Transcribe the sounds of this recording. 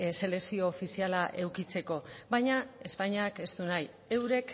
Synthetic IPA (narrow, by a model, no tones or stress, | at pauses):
se̞le̞ksio̞ːfisialaʔe̞wkit͡se̞ko̞βajɲae̞spaɲiake̞st̪unaj | e̞wɾe̞k